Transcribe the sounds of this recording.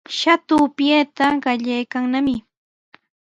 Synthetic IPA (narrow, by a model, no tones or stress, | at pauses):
ʃat̪ʊːpjet̪aɢɑʎajkaŋnamɪ